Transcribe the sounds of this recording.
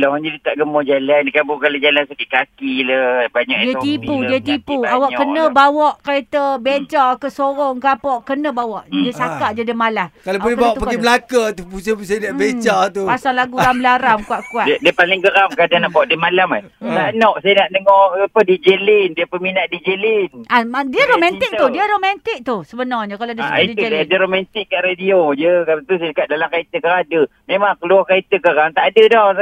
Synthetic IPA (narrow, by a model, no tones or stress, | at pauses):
laad͡ʒadit̪aʔɡəmɔd͡ʒalankabukalad͡ʒalansakiʔkakiləbaɲa̰kdiət̪ipudiət̪ipuawaʔkənəbawɔʔkəɾet̪əbeɲt͡ʃakəsoɾɔŋkapɔʔkənəbawɔʔdiəsakaʔd͡ʒadəmalakaloolkbawaʔt̪upaɡiməlakat̪upusas̬ajədaʔbet͡ʃat̪upasaŋlaɡuɾambəlaɾamkuaʔkuadiəpalɪŋkəɣamkadanaʔbaaʔdiəmalama | lanɔʔsajanaʔnəŋɔəpədid͡ʒəlɪndiəpəminaʔ̚did͡ʒəlɪnʔaadiəɾomanɪkt̪ʊdiəɾomãnt̪ɪk̚t̪ʊsəbənɔrɲəkaloadasa̰idiudadəɾomɛnt̪ɪkːaʔɾediod͡ʒəkaɾat̪usajəkaʔ̚dalamkait̪əkəkadə | memaŋkəluakait̪əkakant̪aʔadədɔ